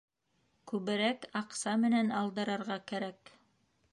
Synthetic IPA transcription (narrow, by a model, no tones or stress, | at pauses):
kʉβɘ̆ɾækɑqsɑmɘ̆nænɑlˠd̪ɤ̆ɾɑɾʁɑkæɾæk